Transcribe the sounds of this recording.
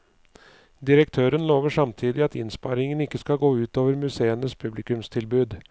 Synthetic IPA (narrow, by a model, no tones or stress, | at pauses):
d̪ɪɾək̚t̪ʰøːɾənloːʋəʂɑmt̪ʰiːd̪ɪɑt̪ɪ̰nspɑɾɪŋənɪkːəskɑɡoːʉːt̪oːʋəɾmʉseːənəspʰʉblɪkʉmst̪ʰɪlbʉːd̪